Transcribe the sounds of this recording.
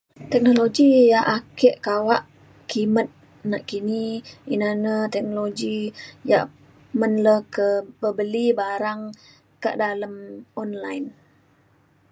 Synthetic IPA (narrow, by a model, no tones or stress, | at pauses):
t̪ɛk̚noloɡijaʔakeʔkawaʔ | kimət̪̚ | naʔkiniinanət̪ɛk̚noloɡijaʔ | mənləhkəbəbəlibaɾaŋ | kaʔdaləmɔnlajn